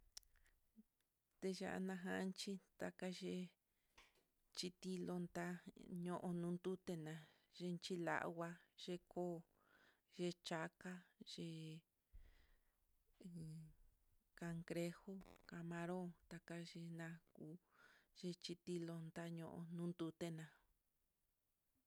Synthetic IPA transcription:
t̪e˧ʒa̰˧ʔa̰˧nã˧ɦã˧˦˧nt͡ʃi˦t̪a˧ka˧ʒe˧ | t͡ʃi˧t̪i˧lo˧nd̪a˦ɲõ˧˨ʔõ˧nũː˧nd̪u˦t̪e˧nã˧ | ʒe˧nt͡ʃi˧la̰˧ʔwa˧ʒ̥e˧ko˦ | ʒe˧t͡ʃa˧ka˦ʒ̥e˧˨ | ka˧ŋɡɾe˧ho˦ka˧mã˧ɾõ˦t̪a˧ka˧ʒe˧nã˧kuː˧˦ʒe˧t͡ʃi˧t̪i˧lo˧nd̪a˦ɲõ˧ʔõ̰˧nũ˦nd̪u˧t̪e˦nã˧

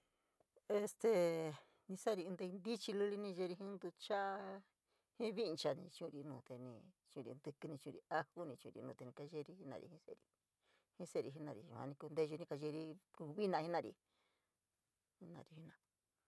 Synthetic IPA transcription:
e˧st̪e˧˨ | nĩ˧sa˦˧ɾi˧nd̪e˧i˧nd̪i˦t͡ʃi˧lu˦li˧nĩ˧ʒe˧ɾi˧ɦĩ˦nd̪u˧t͡ʃa˦ | hĩ˦βi˦˧t͡ʃa˧nĩ˧t͡ʃũ˦˧ɾi˧nũː˨t̪e˧nĩ˧t͡ʃũ˧ɾḭ˧nd̪ɨ˧kɨ˧nĩ˧t͡ʃũ˧ɾi˧a˦hu˦nĩ˧t͡ʃṵ̃˧ɾḭ˧nũ˧˨t̪e˧nĩ˧ka˧ʒe˦˧ɾi˧˦hi˦nã̰˧˨ɾḭ˧hĩ˦sḛ˦˨ɾḭ˧ | hĩ˦se˦˨ɾi˧ɦi˧˦nã˧ɾḭ˨ʒṵ̃˧hã̰˧nĩ˧ku˧nd̪e˦˧ʒu˧nĩ˧ka˧ʒe˧ɾi˧ku˧βi˦nã˧hĩ˦nã˧ɾḭ˧ | hi˦nã̰˧˨ɾi˧hi˦nã˧

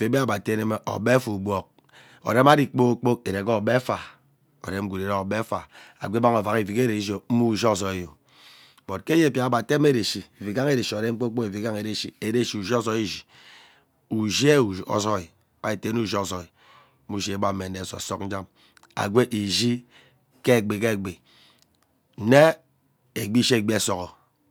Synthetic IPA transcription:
fe˨˦be˦a˦˨ba˨te˦ne˦me˦ʔo̰˨be˦fu˨bʷo˨k̚ | o̰˨de˦ma˦ɾi˦k͡po˦k͡po˦ke˨ɾe˨ko˦˨be˦fa˨ | o̰˨de˦m̩˦ɡu˨ɾe˨ɾe˦o˨be˦fa̰˨a̰˨ɡʷe˦ba˦ŋo˨va˨ki˨vi˨ke˦ɾe˨i˦d͡ʒo˨m̩˦mu˦˨ʒo˦˨so˨e˨jo˨ | bo˨tke˦je˦˨pja˨a˦˨ba˨te˦m˦e˦ɾe˨ʃi˨e˨vi˨ɡa˦ŋe˦ɾe˨ʃi˨o˨ɾe˦m̩˦k͡po˦k͡po˦e˨vi˨ɡa˦ŋe˨ɾe˨ʃi˨e˨˦de˦˨ʃi˨u˨ʒo˦so˦i˦ʒi˨ | u˨ʒe˦u˨o̰˨so˦i˨ | ba˦e˨te˨˦nu˦ʒi˦o˨so˨i˨˦ | u˦˨ʃi˦e˨˦ba˦˨˦e˨ne˨so˨so˦k̚n̩˦d͡ʒa˦m | a̰˨ɡʷe˦ʔi˨ʒi˦ | ke˦˨ɡ͡be˨ke˦˨ɡ͡be˨ | n̩˨˦ne˦ | e˨ɡ͡bi˦ʃe˦e˨ɡ͡bi˦e˦so˨kɔ˨

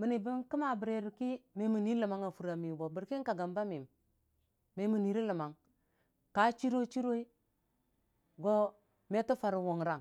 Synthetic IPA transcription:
mi˨ni˨bi˦nki˦ma˨bi˨ɾe˨ɾi˨ki˦me˨mu˨ni˦lə˨ma˨˦ŋa˨fu˨ɾa˨mi˨bo˨bi˨ɾki˦ŋka˨ɡa˨mba˦mi˨m | me˨mu˨ni˨ɾi˦lə˨ma˨ŋ | ka˨˦t͡ʃi˦ɾo˦t͡ʃi˦ɾo˦i˦ | ɡo˦ | me˦to˦fa˨ɾwo˨ŋ˨ɾa˦˨ŋ

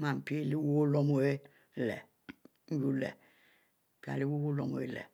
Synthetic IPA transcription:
ma˨m̩˨pi˦e˦˨li˦wo˦o˦lo˦mo˨e˦ | lɛ̰˨˦ | ju˦lɛ̰˨ | pi˦a̰˨li˦wo˦wo˦lo˨mo̰˨e˦lḛ˨

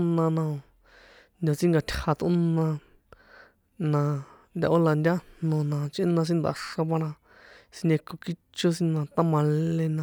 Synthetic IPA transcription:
nã˧nã˧o˧ | nd̪ʲo˨t͡sĩ˦ŋɡa˧t̪ʲʰha˧t̪o̰˦nã˧ | nã˧nd̪ʲa̰˧ʔo˦la˧nd̪ʲa˦nõ˧nã˧t͡ʃʔĩ˦nã˧s̬ĩ˦nd̪a̰˧˨ʂa˧βa˧ɾ̃ã˧ | si˧nẽ˧ko˧ki˦t͡ʃo˦sĩ˦nã˧t̪a˦mã˧lẽ˧nã˧

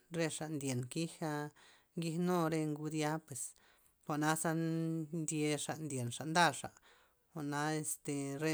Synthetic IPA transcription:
ɾe˧ʂa˨nd̪ʲje˨nki˦xa˧ | ɡi˧hno˦ɾe˧ŋɡu˧d̪ja˦pwe˨s | xa˨na˦sa˦nd̪ʲje˧ʂa˨nd̪ʲje˨nʂa˨nd̪a˦˧ʂa̰˨ | xa˨ʔna˧˦e˧st̪e˨ɾe˧

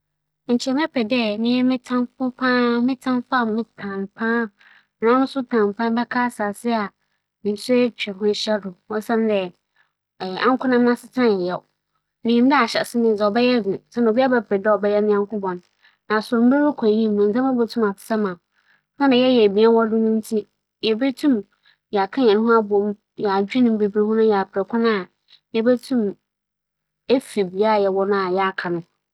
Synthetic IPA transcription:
ɲ̩˨t͡ɕʰi˨ɛ˨m˦ɛ˦pʰɛ˨dɛ˦˨nɪ̃˦ɛ˦mɪ̃˦tʰã˦mfʊ˦pʰã˦mɪ̃˦tʰã˦mfa˦˨mɪ̃˦tʰã˨mpʰã˦˨ | ã˦nʊ̃˦sʊ˦tʰã˨m˨pʰã˦bɛ˦kʰa˦saː˨sɪ˦a˨ | mɪ̃˨n˨sɛ˦t͡ɕᶣɛ˨hʊ̃˦ɕɛ˦dʊ˨wɔ̃˦sã˦n˦dɛ˨ | ã̰˦ŋ˦kʰʊ˦nã˦m˦ã˦sɪ˦tʰã˦n˨ɛ˨jɛ˨ | nɪ̃˨ĩ˨˦dɛ˦a˨ɕɛ̰˨sɪ˦nɪ̃˦n˨d͡zɛ˨ɔ˨bɛ˦jɛ˦ɡũ˨sã˦n˨bi˦a˦bɛ˦pʰɾɛ˨dɛ˦ɔ˨bɛ˦jɛ˦nɪ̃˦ã˦ŋ˦kʊ̃˦bɔ̃˨n | nã˨sʊ˨ɾm̩˦bɾa˦ɾʊ˦kʰã˨jĩ˦mũ˨n̩˨zɛ̃˦ma˦bɛ˦tʰũ˦ma˨tɪ̥˨sa˦mã˨ | sã˦nã˨jɛ˦jɛ˨mĩ˨˦a˦wɔ˦dʊ̃˦nʊ̃˦n˦tʰi˦ | jɛ˨bɛ˦tʰũ˦m | jɛ˨a˨kʰã˦ɲɛ̃˨nʊ̃˦ɦʊ̃˦a˦bɔ˨m˦ | jɛ˨a˨d͡ʑᶣi˦nʊ̃˦m˦be˨bɾe˨wũ˦nʊ̃˦jɛ˨pʰɛ˨kʰʊ̃˦nã˦˨ | jɛ˦bɛ˦tʰũ˦m | e˦fi˨bi˨a˦˨jɛ˨wɔ˦nʊ̃˦a˨jɛ˦a˦˨kʰa˨nʊ̃˦

